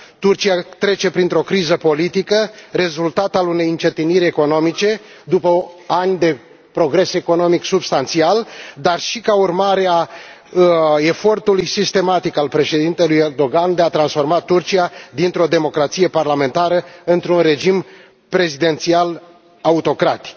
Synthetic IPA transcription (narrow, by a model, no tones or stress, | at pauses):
t̪urt͡ʃiat̪ɾe̞t͡ʃe̞pɾint̪ɾo̞kɾizəpo̞lit̪ikəre̞zult̪at̪alune̞jɨnt͡ʃet̪iniɾʲe̞ko̞no̞mit͡ʃe̞ | d̪upəanʲd̪e̞ | pɾo̞ɡɾe̞se̞ko̞no̞miksubst̪ant̪siald̪arʃikaurmaɾea | e̞fo̞rt̪ulujsist̪e̞mat̪ikalpɾe̞ʃe̞d̪int̪e̞lujerd̪o̞ɡand̪eat̪ɾansfo̞rmat̪urt͡ʃijad̪int̪ɾo̞d̪e̞mo̞kɾat̪sije̞parlame̞nt̪aɾəɨnt̪ɾunre̞d͡ʒim | pɾe̞zid̪e̞nt̪sial | aut̪o̞kɾat̪i̥k